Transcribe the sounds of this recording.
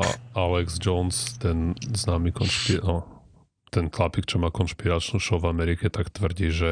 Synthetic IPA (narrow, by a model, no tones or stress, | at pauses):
a̰ʔalɛɡzd͡ʒɔnst̪ɛnznaːmikɔnʃpiɔ | t̪ɛnt̪lapikt͡ʃɔmaːkɔnʃpiɾat͡ʃnuʃɔʊvamɛɾikɛt̪akt̪ʋr̩ɟiʒɛ